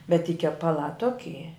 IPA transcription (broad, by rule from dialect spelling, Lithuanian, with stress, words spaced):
bʲɛt tʲiː kʲɛpɐˈlˠɑː ˈtoːkʲɪ